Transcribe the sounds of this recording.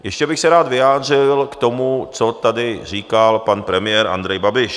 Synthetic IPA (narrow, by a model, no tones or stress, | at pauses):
jɛʃcɛbɪxsɛɾaːt̪vɪjaːd̪rɪlkt̪o̞mut͡sot̪adɪr̝iːkalpanpɾɛmɪjɛːɾʔa̰nd̪ɾɛjbabɪʃ